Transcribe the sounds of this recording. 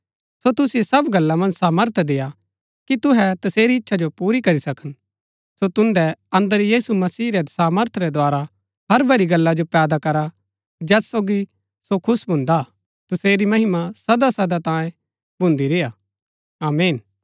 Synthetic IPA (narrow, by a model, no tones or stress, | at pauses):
sot̪ʊsɪesɐbɡɐlːamɐ̃nd͡ʒsaːməɾt̪ʰd̪eːja | kit̪ʊɦɛt̪ɐseːɾiɪtːʃʰad͡ʒopuːɾikɐɾisɐkən | sot̪ʊ̃nd̪ɛɐ̃nd̪əɾjiːsumɐsiːɾɛsaːməɾt̪ʰɾɛd̪oaːɾa | ɦɐɾbʱɐɾiɡɐlːad͡ʒopɛːd̪akɐɾa | d͡ʒɛːsːoːɡi | sokʰʊsbʱʊ̃nd̪a | t̪ɐseːɾimɐɦɪmasɐd̪asɐd̪at̪ãːjẽ | bʱʊ̃nd̪iɾeja | aːmeːn